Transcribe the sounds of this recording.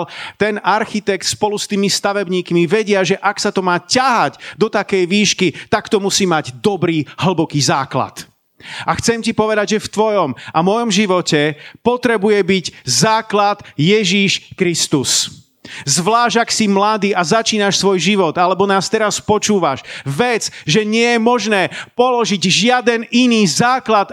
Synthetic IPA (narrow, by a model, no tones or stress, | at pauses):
lt̪ɛnaɾxit̪ɛkt̪spɔlust̪iːmist̪aʋɛbɲiːkmiʋɛɟɪaʒɛʔaksat̪ɔmaːcaɦaɟd̪ɔt̪akɛjʋiːʃkit̪akt̪ɔmusiːmaɟd̪ɔbɾiːɦl̩bɔkiːzaːkla̰t̪ | ʔaxt͡sɛmcipɔʋɛd̪aɟʒɛft̪ʋɔjɔmamɔjɔmʒiʋɔcɛpɔt̪ɾɛbujɛbiɟzaːklat̪jɛʒiʃkɾist̪us | zʋlaːʒaksimlad̪iːazat͡ʃiːnaʃsʋɔjʒiʋɔd̪alɛbɔnaːst̪ɛɾaspɔt͡ʃuːʋaʃʋɛt͡sʒɛɲɪɛjɛmɔʒnɛːpɔlɔʒiɟʒɪad̪ɛniniːzaːklat̪